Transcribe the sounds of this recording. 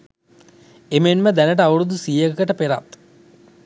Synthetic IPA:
emenməd̪ænəʈəaʋuɾud̪usijəkəkəʈəpeɾa̰t̪

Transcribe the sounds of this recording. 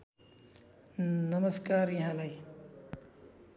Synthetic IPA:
nəməskaːɾjɐɦãːlai

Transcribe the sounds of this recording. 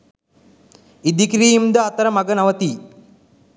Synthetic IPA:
id̪ikɾijimd̪ɐːt̪ɐɾɐmɐɡɐnɐʋɐt̪iː

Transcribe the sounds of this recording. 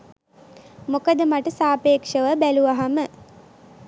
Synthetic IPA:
mokəd̪əmaʈəsaːpeːkʂəʋəbæluʋaɦamə

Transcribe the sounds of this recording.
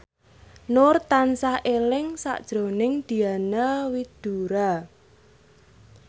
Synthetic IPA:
nʊrt̪ansaʔelɪŋsa̰ʔd̥ʒ̥ɾo̤nɪŋd̪̥i̤anawid̪̥uɾa

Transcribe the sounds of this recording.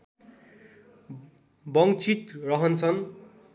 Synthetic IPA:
bʌŋt͡sʰit̪rʌɦʌnt͡sʰʌn

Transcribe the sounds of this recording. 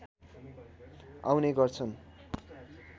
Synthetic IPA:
a̰wneɡʌrt͡sʰʌn

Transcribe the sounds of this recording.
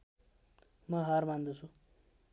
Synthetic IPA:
mʌɦʌrmand̪ut͡sʰu

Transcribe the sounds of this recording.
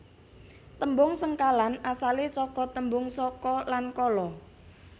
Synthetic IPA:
t̪əmbʊŋsəŋkalanasalesɔkɔt̪əmbʊŋsɔkɔlankɔlɔ

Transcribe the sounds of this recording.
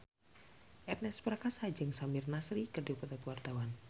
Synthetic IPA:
ʔɛt̪̚nɛspəɾakasad͡ʒɨŋsamɪrnasɾikərdipat̪at̪wart̪awan

